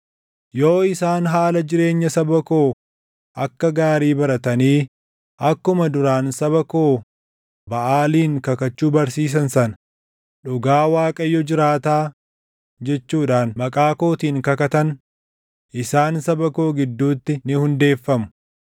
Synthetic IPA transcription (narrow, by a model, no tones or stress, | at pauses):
jo̞ːɪsaːnɦaːlɐd͡ʒɪɾe̞ːɲːɐsɐbɐko̞ː | ʔɐkːɐɡaːɾiːbɐɾɐt̪ɐniː | ʔɐkːʊmɐd̪ʊɾaːnsɐbɐko̞ː | bɐʔaːliːŋkɐkɐt͡ʃːuːbɐɾsiːs̬ɐnsɐnɐ | ᶑʊɡaːwaːkʼɐjːɔd͡ʒɪɾaːt̪aː | d͡ʒɛt͡ʃːuːᶑaːnmɐkʼaːko̞ːt̪iːŋkɐkɐt̪ɐn | ʔɪsaːnsɐbɐko̞ːɡɪd̪ːuːt̪ːɪnɪhʊnd̪e̞ːfːɐmʊ̥